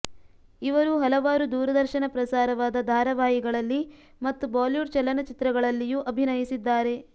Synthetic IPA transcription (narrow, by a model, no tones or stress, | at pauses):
iʋɐɾuɦɐlɐʋaːɾud̪uːɾɐd̪ɐɾʃɐnɐpɾɐsaːɾɐʋaːd̪ɐd̪ʱaːɾɐʋaːjiɡɐɭɐlːi | mɐt̪ːubaːljuʈt͡ʃɐlːɐnɐt͡ʃit̪ɾɐɡɐɭɐlːijuʔɐbʱinɐjisid̪ːaːɾe̞